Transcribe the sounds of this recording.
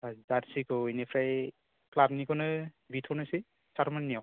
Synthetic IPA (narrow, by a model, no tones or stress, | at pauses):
azatsikɔinɛpʰɾaj | klabnikɔnɯ | bitʰɔnasi | saɾmannijɔ